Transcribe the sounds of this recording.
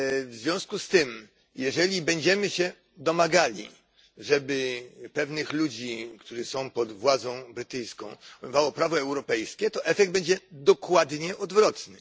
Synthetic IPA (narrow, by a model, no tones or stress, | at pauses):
vzvʲjɔ̃skust̪ɘm | jɛʐɛlʲibɛɲd͡ʑɛmɘɕɛ | d̪ɔmaɡalʲḭ | ʐɛbɘpɛvnɘxlud͡ʑikt̪uʐɘsɔ̃w̃pɔd̪vwad̪zɔ̃w̃bɾɘt̪ɘjskɔ̰̃w̃umɨvawɔpɾavɔɛwɾɔpɛjskʲɛt̪ɔʔɛfɛɡd̪̚bɛɲd͡ʑɛd̪ɔkwad̪ɲɛʔɔd̪vɾɔt̪nɘ